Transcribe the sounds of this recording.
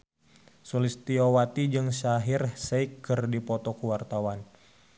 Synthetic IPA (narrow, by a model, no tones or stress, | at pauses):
sulist̪iowat̪id͡ʒɨŋsaɦirseikːɨrdipɔt̪ɔkuwart̪awan